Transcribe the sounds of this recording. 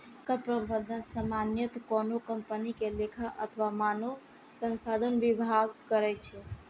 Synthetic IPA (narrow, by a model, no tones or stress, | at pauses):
kəpɾəbəd̪ʱənsamanjət̪kɔnokəmpənikelekʰaʔə̰t̪ʰʋamano | sənsad̪ʱənʋibʱaɡ̚kəɾɛt͡ʃʰɛ